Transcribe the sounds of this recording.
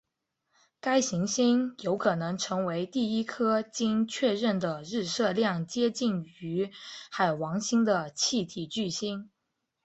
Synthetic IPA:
ka˥ɪɕi˧˥ŋɕi˥njo˧˥ʊkʰɤ˨˩nɤ˧˥ŋʈ͡ʂʰɤ˧˥ŋwe˧˥ɪt̪i˥˩i˥kʰɤ˥t͡ɕi˥nt͡ɕʰɥɛ˥˧ɻə˥˩nd̪ə˩ɻɻ̩˥˧sɤ˥˧ljɑ˥˩ŋt͡ɕjɛ˥t͡ɕi˥˩ny˧˥xa˨˩ɪwɑ˧˥ŋɕi˥ŋd̪ə˨t͡ɕʰi˥˩t̪ʰi˨˩t͡ɕy˥˩ɕi˥ŋ

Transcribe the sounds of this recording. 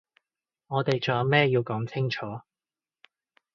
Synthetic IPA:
ŋɔː˨˧t̪e˨jt͡ʃɔː˨˩jɐ˨˧wmɛː˥ji˧wkɔː˨˥ŋt͡sʰɪ˥ŋt͡ʃʰɔː˨˥

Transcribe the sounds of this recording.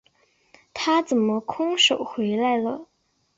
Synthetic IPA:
t̪ʰa˥t͡sə˨˩nmə˦kʰʊ˥ŋʂo˨˩ʊxwe˧˥ɪla˧ɪlə˨˩

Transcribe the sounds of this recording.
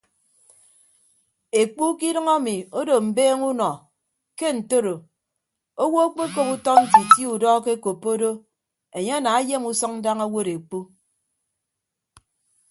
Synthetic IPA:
e˨k͡pu˦ki˦dʌ˦ŋa˦mi˨o˦do˨m̩˨beː˦ŋu˦nɔ˨ | ke˦n̩˨to˦ɾo˨ | o˦wo˦o˦k͡pe˦ko˦pu˦tɔ˦n̩˦ti˨ti˦u˨dɔː˦ke˦ko˨pːo˦do˦ | e˨ɲe˦a˦naː˨a˦je˦mu˦sɔ˦ŋn̩˦da˦ŋa˦wo˦ɾe˨k͡pu˦

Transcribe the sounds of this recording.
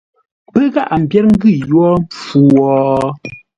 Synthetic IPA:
pə˦ɣa˦˨ʔa˨m̩˨bjɛ˦ɾŋ̩˦ɡɯ˦˨jwɔ˦m˨fu˨wɔ˨

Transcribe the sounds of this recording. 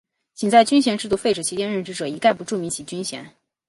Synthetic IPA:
t͡ɕʰi˨˩ŋt͡sa˥˩ɪt͡ɕy˥nɕ̬jɛ˧˥nʈ͡ʂɻ̩˥˧t̪u˥˧fe˥˩ɪʈ͡ʂɤ˨˩t͡ɕʰi˧˥t͡ɕjɛ˥nɻə˥˩nʈ͡ʂɻ̩˥ʈ͡ʂɤ˨˩i˧˥ka˥˩ɪpu˧˥ʈ͡ʂu˥˩mi˧˥ŋt͡ɕʰi˨˩t͡ɕy˥nɕjɛ̰˧˥n

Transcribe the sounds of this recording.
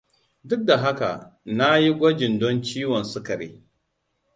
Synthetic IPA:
dʊ˦k̚da˨ɦa˦ka̰˨na˦ji˦ɡʷɔ˦d͡ʒɪ˨ndɔ˦nt͡ʃiː˦wɔ˨nsʊ˦kɐ˨ɾḛː˦

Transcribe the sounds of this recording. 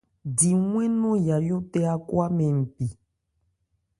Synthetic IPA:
di˨ŋwɛ̃˦nɔ̃˦ja˨jo˦tɛ˦a˦kwa˦mɛ̃˨m̩˨pi˨

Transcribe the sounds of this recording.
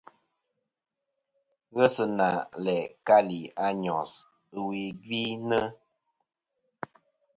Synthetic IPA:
ɣə˦sə˨na˨lɛ˨ka˦li˨a˦ɲɔ˨s | ə˦wi˨ɡi˦nə˦

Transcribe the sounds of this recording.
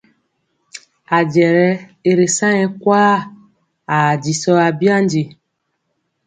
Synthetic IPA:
a˨d͡ʒɛ˨ɾɛ˦e˨ɾe˨sã˦ɛ̃˨kwaː˦ | a˨d͡ʒi˨sɔ˦a˨bi˦a˦n˦d͡ʒe˨

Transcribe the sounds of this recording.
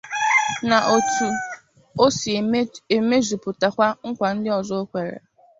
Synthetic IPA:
na˨ʔo˨tu˨ | o˦si˨e˨me˦zu˨pʊ˨ta˨kʷa˦ŋ̩˦kʷa˨n̩˦dɪ˦ɔ˨zɔ˦o˦kʷe˨ɾḛ˨

